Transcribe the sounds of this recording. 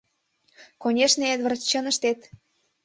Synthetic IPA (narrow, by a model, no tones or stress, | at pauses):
konʲeʃneet̪və̆rt͡ɕːɤ̆nə̆ʃt̪et̪